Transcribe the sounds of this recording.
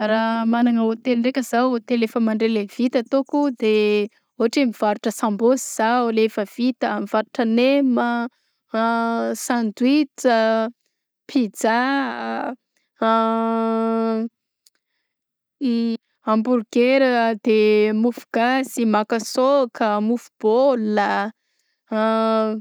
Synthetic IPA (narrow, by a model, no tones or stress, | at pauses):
ramanaŋəot̪elɳrekʲəzawt̪elefəmaɳɖ͡ʐelev̥it̪at̪okud̪e | oaʈ͡ʂemiv̥aɾuʈ͡ʂəsambosiz̥awlefəv̥it̪əamiv̥aɾuʈ͡ʂənemə | sandwit̪ə | pʰid͡za | amburɡeɾəd̪emufuɡ̥azimakəsokəmufub̥olə